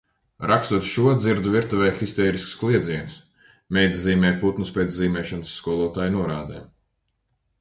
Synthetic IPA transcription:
ɾʔakst̪uɔt̪ʃuɔd̪ziɾd̪uviɾt̪uvɛjxist̪ɛːɾisksklˠiɛd̪ziɛnus | mʲɛjd̪ziːmʲɛːjput̪nuspʲɛːt̪zziːmʲɛːʃansːkuɔlˠuɔt̪aːjnuɔɾaːd̪ɛ̰ː

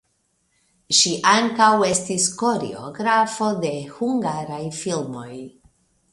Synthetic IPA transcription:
ʃiʔaŋkawe̞stisko̞ɾḛo̰ɡɾafo̞de̞huŋɡaɾajfilmo̞̰j

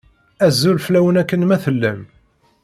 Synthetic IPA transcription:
æzːulflæwənækːənmæθəlːæm

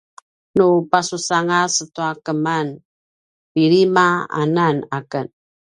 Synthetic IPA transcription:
nupasusaŋasətuakəman | piɾimaa̰nanakən

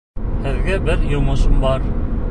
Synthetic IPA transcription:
hɘ̆ðɡæbɘɾjŏmŏʃɤmbɑɾ

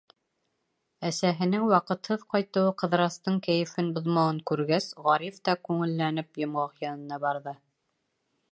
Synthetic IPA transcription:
æsæɦɘ̆nɘŋwɑqɤ̆t̪hɤðqɑjt̪ɤ̆wɤqɤ̆ðɾɑst̪ɤɴkæjɘ̆fɘnbŏðmɑwɤŋkʉɾɡæsʁɑɾift̪ɑkʉŋɘ̆lːænɘpjŏmʁɑqjɑnɤ̆nɑbɑɾðɤ

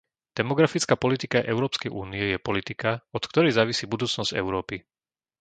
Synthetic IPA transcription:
d̪̥ɛmɔɡɾafit͡skaːpɔlit̪ikaʔɛʊɾɔːpskɛjʔuːniɛjɛpɔlit̪ikaɔt̪kt̪ɔɾɛjzaːʋisiːbud̪uːt͡snɔz̥ɛ̰ʊɾɔːpi

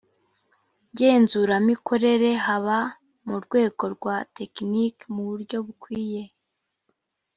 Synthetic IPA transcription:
ɟe̞ːnzuɾamikʰo̞ɾe̞ɾe̞ɦaβa | muɾɡwe̞ːɡo̞ɾɡwate̞knikmuβuɾɟo̞βukwiːje̞

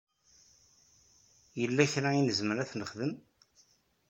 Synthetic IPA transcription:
jəlːæçɾainəzməɾæθnəχðəm

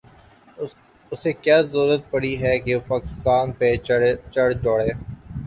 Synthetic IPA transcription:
ʊsekjaːzoːɾət̪̚pɐɽiɦɛːkepaːkɪst̪aːnpet͡ʃəɽd͡ʒoːɽeː

